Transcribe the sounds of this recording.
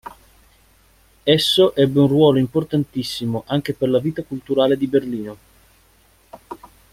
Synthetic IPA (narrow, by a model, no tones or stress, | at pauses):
ɛsːoʔɛbːeunrwɔːloimport̪ant̪isːimoʔaŋk̟eperlaviːt̪akult̪uɾaːled̪iberliːno